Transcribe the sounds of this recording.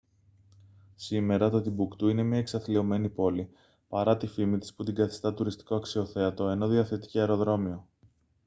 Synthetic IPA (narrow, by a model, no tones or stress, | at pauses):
sime̞ɾɐt̪ot̪ibukt̪uine̞mɲɐeksɐθlio̞me̞nipo̞li | pɐɾɐt̪ifimit̪i̥sput̪iŋɡɐθi̥st̪ɐt̪uɾist̪i̥ko̞ɐksio̞θe̞ɐt̪o̞e̞no̞ðiɐθet̪i̥ceɐeɾo̞ðɾo̞mio̞